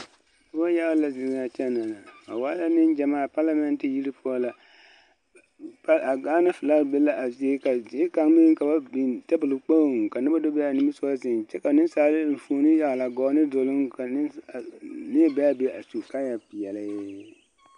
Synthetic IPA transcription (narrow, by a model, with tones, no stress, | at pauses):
na˦ba˦ja˦la˨zɪ˨za˨t͡ʃɛ˦na˨la˨a̰˨waː˦la˦nɪ˦n˦d͡ʒa˨maː˦˨pa˦la˦mɛ˦ntɪ˨ji˦ɾi˦pʰu˦ɔ˦la˨ | pa˨ɡaː˦na˦fɨ˨la˦˨be˦la˦ʔa˨ze˦ka˨˦ka˨ŋ˦mɪ˦ŋ˦ka˨ba˦bi˨ta˦bɨ˨lɨ˨k͡po˦˨ŋ˨ka˨nɪ˦ba˦do˦be˦a˨nɪ˦mi˦sɔ˦zɪ˨nt͡ʃɛ˦ka˨nɪ˦nsaː˨lɪ˦n̩˨fu˨o˨˦nɪ˦ja˨ɣla˨ɡɔː˨˦nɪ˦dʊ˨lʊ˦ŋka˨˦˨ | nɪ˦ba˦a˦be˦ʔa˨su˨ka˦ja˨pɪ˨jɛ˨la˦